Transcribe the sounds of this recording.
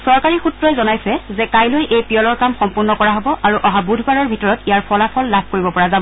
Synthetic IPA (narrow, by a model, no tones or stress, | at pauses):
sɔɹkaɹixutɹɔɛzɔnajsɛzɛkajlojʔejpijɔlɔɹkamxɔmpuɹnɔkɔɹaɦobɔʔaɹuʔɔɦabudʱbaɹɔɹbʱitɔɹɔtijaɹpʰɔlapʰɔlːab̚ʱkoɹibɔpɔɹazabɔ